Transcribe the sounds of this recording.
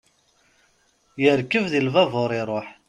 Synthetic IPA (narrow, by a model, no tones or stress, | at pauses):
jəɾkːəvðilvɑvoɾˤɪɾˤoħ